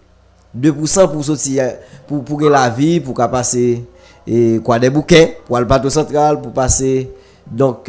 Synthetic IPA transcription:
d̪øpusʌ̃pus̬otipupuɡɛ̃lavipukapase | kwadɛbukɛ̃pwalpat̪osɐ̃t̪ɣalpupase | d̪ɔ̃k

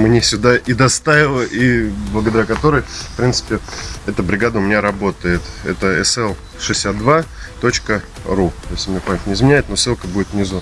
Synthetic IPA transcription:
mnʲesʲʊd̪aʔid̪ɐst̪avʲɪlˠəʔiblˠəɡəd̪ɐɾʲakɐt̪o̞ɾəjfpɾʲint̪sɨ̥pʲɪɛt̪əbɾʲɪɡad̪əʊmʲɪnʲaɾɐbo̞t̪əjɪt̪ɛ̰t̪əɛ̰sɛlˠ | ʂɨsʲːat̪̚d̪va | t̪o̞t͡ɕkə | rut̪ojsʲt̪ʲmɪnʲepanʲt̪ʲnʲɪzmʲɪnʲæɪt̪nosɨlˠkəbudɪt̪vnʲɪzu

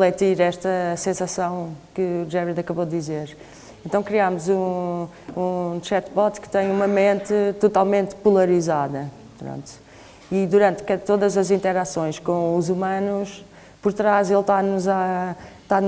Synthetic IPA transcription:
flˠɛt̪iɾɛʃt̪ɐsẽsɐsɐ̃w̃kɨʒɛviðɐkɐβod̪ːizeɾ | ẽnt̪ɐ̃w̃kɾiamuzũ | ũʃɛt̪βɔt̪kɨ̥t̪ɐ̃j̃umɐmẽnt̪ɨt̪ut̪alˠmẽnt̪pulˠɐɾizaðɐ | pɾõ̰nt̪u̥ | id̪uɾɐ̃nt̪kɛt̪oðɐzɐzĩnt̪ɛɾasõj̃ʃkõuzumɐnuʃ | puɾt̪ɾazelˠt̪anuzat̪an

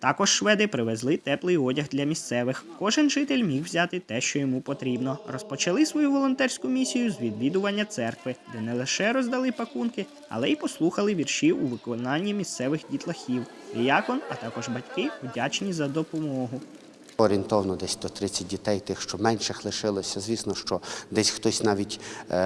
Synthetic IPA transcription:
t̪ɑkɔʃʃʋɛd̪ɪpɾɪʋezlˠɪt̪ɛplˠɪjɔdʲɐɣd̪lʲɐmʲist̪sɛʋɪxkɔʒɪnʒɪt̪ɪlʲmʲiwwzʲɑt̪ɪt̪ɛʃt͡ʃɔjɔmupɔt̪ɾʲibnɔrɔspɔt͡ʃɐlˠɪsʋɔjuʋɔlˠɔnt̪ɛrʲsʲkʊmʲisʲijʊzʋʲid̪ʋʲid̪ʊʋɐnʲːɐt̪sɛrkʋɪd̪ɛnɛlˠɪʃɛɾɔzd̪ɐlˠɪpɐkunkɪ | ɐ̰lˠɛipɔslˠuxɐlˠɪʋʲirʃiuʋɪkɔnɑnʲːimʲist̪sɛʋɪxdʲit̪lˠɐxʲiw | d̪ɪjɑkɔnɐt̪ɑkɔʒbɐtʲkɪʋdʲɑt͡ʃnʲizɐd̪ɔpɔmɔɦʊ | ɔɾʲiint̪ɔwɐnɔd̪ɛsʲd̪ɔt̪ɾɪt͡sʲːɐt̚ʲdʲit̪ɛjt̪ɪxʃt͡ʃɔmɛnʃɪxlˠɪʃɪlˠɔsʲɐzʲʋʲisnɔʃt͡ʃɔd̪ɛsʲxt̪ɔsʲnɑʋʲitʲ

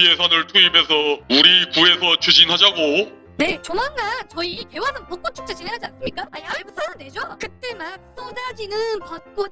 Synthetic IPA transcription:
iesʰanɯɭtʰuibe̞s̬ʰʌuɾikue̞sʰʌt͡ɕʰud͡ʑinɦad͡ʑaɡo | ne̞t͡ɕomanɡant͡ɕʌike̞wasʰʌnpok͈ont͡ɕʰu̥k̚t͡ɕ͈at͡ɕineɦad͡ʑians͈ɯmɲik͈aajapusʰaɯnde̞d͡ʑokɯt͈e̞mak̚s͈ʌdad͡ʑinɯnpat̚k͈o

